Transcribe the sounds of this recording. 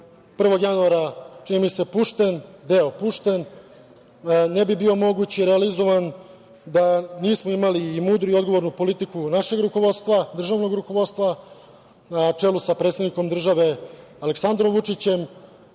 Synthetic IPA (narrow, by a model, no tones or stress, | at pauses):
pr̩ʋo̞ɡjanuaɾat͡ʃinimise̞puʂt̪e̞nd̪e̞opuʂt̪e̞n | e̞bibio̞mo̞ɡut͡ɕiɾealizo̞ʋan | d̪aniːsmo̞imaliːmuːd̪ɾuio̞d̪ɡo̞ʋo̞ɾnupo̞lit̪ikunaʃe̞ɡɾuko̞ʋo̞d̪st̪ʋad̪r̩ʒaʋno̞ɡɾuko̞ʋo̞d̪st̪ʋa | nat͡ʂe̞lusapɾe̞t̪sed̪niko̞md̪r̩ʒaʋe̞aleksand̪ɾo̞mʋut͡ʂit͡ɕe̞m